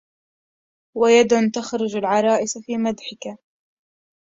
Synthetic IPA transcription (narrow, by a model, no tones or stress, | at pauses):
wajad̪ʊnt̪axɾʊd͡ʒalʕɑɾˤɑːʔɪsfiːmad̪ħɪka